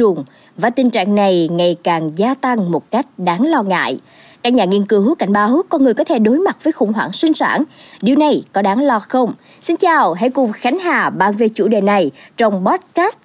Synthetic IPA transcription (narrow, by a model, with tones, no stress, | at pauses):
ʊ˨˩ŋ͡m | vaː˨˩t̪ï˨˩ŋ̟t͡ɕa̰ː˧˨ŋna˨˩jŋa˨˩jkaː˨˩ŋzaː˧t̪a˧ŋmo˨˩t̚ka˦˥jk̟̚ɗaː˨˦ŋlɔ˧ŋa̰ː˧˨j | kaː˦˥k̚ɲaː˨˩ŋi˧ənkɨ˨˦wka̰˧˩jŋ̟ɓaː˨˦wkɔ˧nŋɨ˨˩əkɔ˨˦t̪ʰe˧˩ɗo˨˦jma˨˩t̚vəː˨˦jxʊ̰˧˩ŋ͡mɦwaː˧˩ŋswï˧ŋ̟sa̰ː˧˩nɗi˨˩wna˨˩jkɔ˨˦ɗaː˨˦ŋlɔ˧xə˧wŋ͡m | si˧nt͡ɕaː˨˩wɦa̰˧˥jkʊ˨˩ŋ͡mxa˨˦jŋ̟ɦaː˨˩ɓaː˨˩nve˨˩t͡ɕṵ˧˩ɗe˨˩na˨˩jt͡ɕɔ˧wŋ͡mɓɔ˦˥t̚kaː˦˥st̚